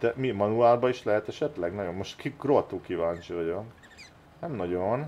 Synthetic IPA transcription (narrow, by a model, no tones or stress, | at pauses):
d̪̥ɛmimɒnuaːlbɒiʃlɛɦɛt̪ɛʃɛt̪lɛɡnɒɟo̞mːoʃt̪kikrot̪uːkivaːnt͡ʃiʋɒɟon | nɛmnɒɟon